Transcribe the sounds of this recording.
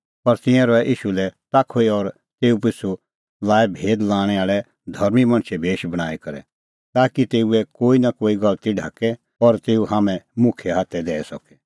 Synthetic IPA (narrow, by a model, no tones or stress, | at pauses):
pɐɾt̪ɪ̃jãɾɔɛʔiːʃulɛt̪aːkʰoiɔɾ | t̪eːupɪsu | laːɛbʱeːd̪laːɽ̃ɛaːɭɛ | d̪ʱɐɾmimɐ̃ñt͡ʃʰɛbʱeːʃbɐɽ̃aːikɐɾɛ̰ | t̪aːkit̪eːuɛkoːinakoːiɡɐlt̪iɖʱa̰ːkɛ | ɔɾt̪eːuɦaːmɛ̃mʊ̃kʰɛɦaːt̪ʰːɛd̪ɛːɛsɔkɛ̥